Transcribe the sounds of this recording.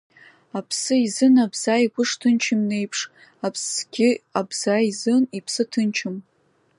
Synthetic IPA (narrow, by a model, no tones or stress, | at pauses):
apʰsɨizɨnabz̥aikʷʊʂtʰɨnt͡ʃʰɪmne̞jpʰʂ | apʰsɡʲɪabz̥aizɨnipʰsɨtʰɨnt͡ʃʰɪm